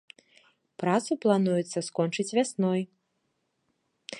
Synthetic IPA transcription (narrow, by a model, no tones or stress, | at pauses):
pɾat̪suplˠanujɛt̪sːɐskɔnt͡ʂɨt͡sʲvʲasnɔj